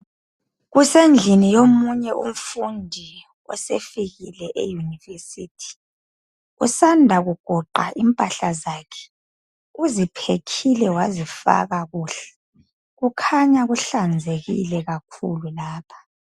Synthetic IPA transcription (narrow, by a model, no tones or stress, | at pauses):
ɣusend͡ɮʱinijomuɲɛʔṵm̩fundʱi | ɔ̰sefiɣilɛʔḛjunivesitʰi̥ | ɣṵsandʱaɣuɡ̥ʱɔǃaʔimpʼaɬazaːkʰɛ̥ | uzipʰekʰilɛwazifa̰ɣaɣuːɬɛ̥ | ɣukʰaɲaɣuɬand͡zʱeɣḭlɛɣakʰṵlulaːpʰḁ